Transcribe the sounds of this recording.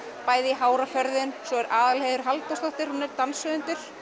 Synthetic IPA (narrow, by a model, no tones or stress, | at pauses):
paːjðɪiɦaːwɾafɛɾðɪnsɔɛɾʔaːðalheðʏɾ̥ɦalt̪ast̪ɔht̪ɪɾhunɛɾt̪ansʏðʏnt̪ʏɾ̥